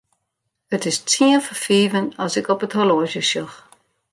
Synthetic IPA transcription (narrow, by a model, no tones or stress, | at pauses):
ətɪst͡siəfəfiːvənɔsɪkɔpətʰoloəʃjəʃjɔx